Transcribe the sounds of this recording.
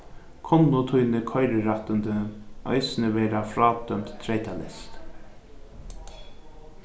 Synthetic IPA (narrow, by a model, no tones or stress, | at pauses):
kʰɔnːʊt̪ʰujnəkʰɔʏɾəɾɑt̪ənd̪əœ̰ɪsnəʋɛːɾafɾɑːd̪̥œmt̪t̪ʰːɾeɪt̪ʰalɛ̰st̪